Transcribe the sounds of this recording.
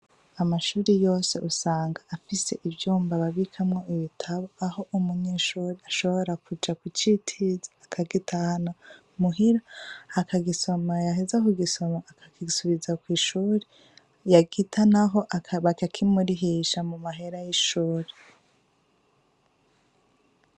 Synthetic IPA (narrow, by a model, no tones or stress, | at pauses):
amaʃuːɾejo̞ːse̞ʔusaːŋɡaːfise̞ʔivjuːmbaβaβikʰamŋo̞iβitʰaβoaɦo̞ʔumuɲeːʃuːɾiaʃo̞βo̞ɾakud͡ʒakwit͡ʃitʰizaakʰaɡitahano | muɦiɾaːkaɡiso̞majaɦezakuɡiso̞maakʰḁkisuβizakwiːʃuːɾe | jaɡitʰanaɦo̞ʔaβakakʰimuɾiɦiʃamumaɦe̞ɾajiʃuːɾe